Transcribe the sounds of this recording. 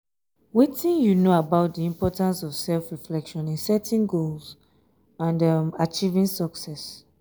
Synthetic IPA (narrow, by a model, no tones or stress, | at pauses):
witĩnjunoabaʊt̚diĩmpɔtãnsɔv̥sɛlfɹiflɛkʃɔ̃nĩŋsɛtʰĩnɡols | ãndʌmat͡ʃivĩŋsɔksɛs